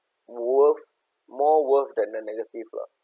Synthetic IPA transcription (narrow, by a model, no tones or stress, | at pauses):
wəf | mɔwəfdɛ̃ndənɛɡətivlã̰